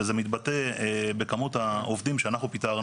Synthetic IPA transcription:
ezemit̪̚bate̞be̞kamot̪haʔovd̪imʃeanaχnupit̪a

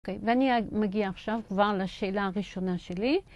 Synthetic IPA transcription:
okejveaniamaɡiaːχʃavkvaʁlaʃeːlaːʁiʃonaʃeli

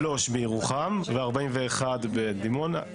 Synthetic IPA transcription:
lo̞ʃbejeʁuχamveaʁbaimveːχad̪bed̪imona

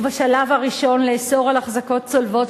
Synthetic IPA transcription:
vaʃalavaʁiʃo̞nleːso̞ʁalaχzako̞tt͡solvo̞t

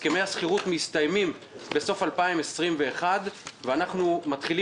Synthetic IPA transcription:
kemejasχiʁutmist̪ajmim | be̞so̞falpaimesʁimve̞ːχad̪veanaχnumat̪χil

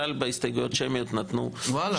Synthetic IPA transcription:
albeist̪ajɡujo̞tʃemijot̪nat̪nuwal

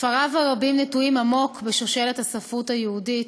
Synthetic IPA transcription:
faʁavaʁabimnetuimamo̞kbeʃoʃe̞letasafuthajeudit

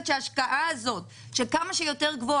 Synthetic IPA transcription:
tʃeaːʃkaʔaazo̞t | ʃekamaʃejo̞te̞ʁ̞ɡvo

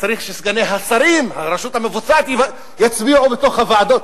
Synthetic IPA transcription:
t͡saɾiχʃesɡaneɦasaɾimhaɾaʃut̪hamevut͡sat̪iva | jat͡sbiʕubet̪o̞χhavaad̪ot̪

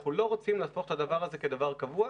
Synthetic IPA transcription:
χulo̞ʁot͡simlaːfo̞χt̪ad̪avaʁaze̞ke̞d̪avaʁkavua

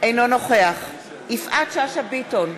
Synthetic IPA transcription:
ʔejnono̞χeaχ | ifʔatʃaʃabiton

